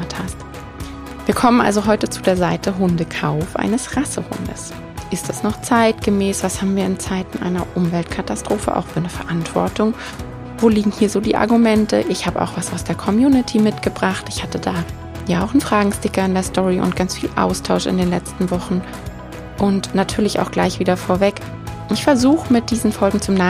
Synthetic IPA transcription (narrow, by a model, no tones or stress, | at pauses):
tʰhast | viːɐkʰɔmənʔa̰lzoɦɔʏtət͡sudeːɐzaɪtʰəɦʊndəkʰaʊfʔa̰ɪnəsʁasəhʊ̰ndə̰s | ʔɪstd̥asnɔχt͡saɪtɡ̥əmɛːsv̥ashaːbm̩viːɐɪnt͡saɪtn̩ʔa̰ɪnɐʔʊmvɛltkʰatastʁ̥oːfə̰ʔa̰ʊxfyːɐnəfɛɐʔantv̥ɔ̰ɐtʊŋ | voːliːɡŋ̩hiːɐzoːdiːʔa̰ɐɡumɛntə̰ʔɪçhaːbəʔaʊxv̥asaʊsd̥eːɐkʰɔmjuːnɪtʰimɪtɡ̥əbʁaχtɪçhatədaː | jaːaʊxn̩fʁ̥aːɡŋ̩stɪkɐɪndeːɐstʰɔʁiʔʊ̰nt̚ɡ̥ant͡sfiːlʔa̰ʊstʰaʊʃɪ̰ndeːnlɛt͡stn̩vɔχn̩ | ʔʊntnatʰyːɐlɪça̰ʊxɡ̥laɪçv̥iːdɐfoːɐvɛk | ʔɪçfɛɐzuːχəmɪt̚d̥iːzn̩fɔlɡŋ̩t͡sʊmnaː